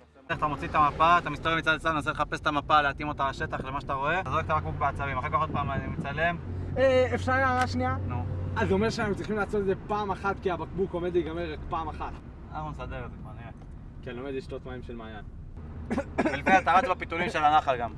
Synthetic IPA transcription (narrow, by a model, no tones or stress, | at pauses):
eat̪amot͡sit̪amapaːt̪amist̪avelmit͡sad̪t͡sad̪nnaseleχapeset̪amapaleat̪imo̞t̪alaʃet̪aχlemaʃat̪aʁo̞e̞zoekt̪abak̚buk̚beat͡savimaχekpeaχot̪̚paːmanimit͡sale̞meefʃaʁjaaʁaʃnianuazo̞meʃeat̪emt͡sʁiχimlaːt͡sot̪ezepaːmaχat̪kiabakbukome̞d̪iɡameakpaːmaχat̪ | anaχnumsad̪eʁezekmanie | kianomed̪iʃt̪ot̪maimʃelmaːjan | ilkt̪aʁasbapit̪ulimʃelanaχalɡam